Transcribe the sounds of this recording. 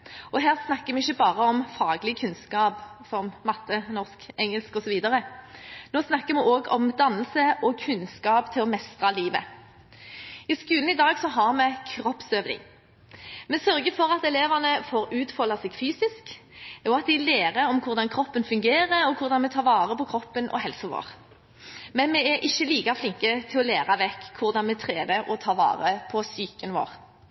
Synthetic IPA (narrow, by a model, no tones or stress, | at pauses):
ɔɦæːʁsnɑkːəmɛɪçːəbɑːʁəɔmfɑːɡlɪkʰʉnskɑːpsɔmmɑt̪ːənɔʁskɛŋːəlskɔsɔʋiːd̪əʁənoːsnɑkːəmɛʔoːɡɔmd̪ɑnːəlsəʔɔkʰʉnskɑːpt̪ʰɪlɔmɛst̪ʁɑliːʋə̰ | ɪskʉːln̩ɪd̪ɑːɡsɔɦɑʁmɛkʰɾɔpsøːʋnɪ̰ŋ | mɛsœɾɡəfɔɾɑt̪ɛleːʋɑnəfoːɾʉːt̪fɔlːɑsɛɡfyːsɪsk | ɔɑt̪̚d̪ɪleːʁəɾɔmkʰʊʁd̪ɑnkʰɾɔpːənfʉŋɡeːʁəɾɔkʰʊʁd̪ɑnmɛt̪ʰɑːʁʋɑːʁəpɔkʰɾɔpːənʔɔ̰hɛlsəʋo̰ːʁ | mɛnmɛɛʔɪçːəliːkɑflɪŋkət̪ʰɪlɔleːʁɑʋɛkːʰʊʁd̪ɑnmɛt̪ʰʁeːd̪əʔɔt̪ʰɑːʋɑ̰ːʁəpʰɔsyːkənʋo̰ːʁ